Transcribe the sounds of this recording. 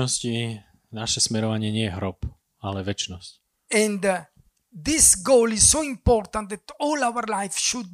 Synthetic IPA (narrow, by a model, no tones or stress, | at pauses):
ɔsci | naʃɛsmɛɾɔʋaɲɪɛɲɪɛjɛɦɾɔp | alɛʋɛt͡ʃnɔsc | ɛ̃nd̪ | d̪isɡolizsoĩmpɔɾt̪ãnt̪d̪ɛt̪ɔlaʊəɾlajfʃud̪̚